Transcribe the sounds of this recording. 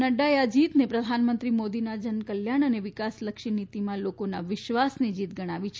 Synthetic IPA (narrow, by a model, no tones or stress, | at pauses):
nəɖaead͡ʒit̪nepɾəd̪ʱanmənt̪ɾimod̪inad͡ʒənkəljaɳ̃əneʋɪkasləkʃinit̪imãlokonaʋɪʃʋasnid͡ʒit̪̚ɡəɽ̃aʋit͡ʃʰ